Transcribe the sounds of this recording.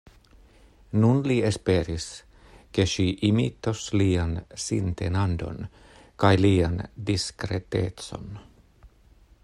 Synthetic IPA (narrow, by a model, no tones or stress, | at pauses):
nunliespeːɾis | keʃiːʔimḭːt̪ːosliːɑnsḭnt̪ḛnɑnd̪o̰n | kɑjliːɑnd̪iskret̪ḛːt̪so̰n